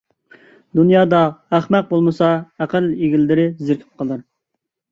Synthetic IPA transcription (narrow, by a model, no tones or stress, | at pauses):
d̪unjɑːd̪ɑæχmɛq̚bolˠmɨsɑæqəleɡʲilːɪɾɪzɪɾkʲʰɪ̥p̚qʰəlˠɨɾ